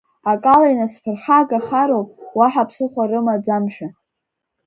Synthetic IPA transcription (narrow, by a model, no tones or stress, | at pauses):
akʼalajnaspʰɨrħaɡaχaɾolʼwaħapʰsɨχʷaɾɨmad͡zamʃᶣa